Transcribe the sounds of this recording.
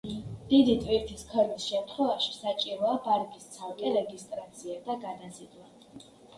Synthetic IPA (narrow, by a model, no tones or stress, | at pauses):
d̪̥id̪it̪ʼviɾt̪ʰiskʰɛɾmisʃɛmt̪ʰχwɛvaʃi̥sat͡ʃʼiɾɔabaɾɡʼist̪sʰalˠkʼɛɾɛɡist̪ʼɾat̪sʰiad̪aɡad̪asid̪la